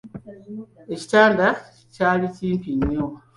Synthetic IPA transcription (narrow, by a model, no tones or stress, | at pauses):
eci̥tanda | caːlitimpiɲːo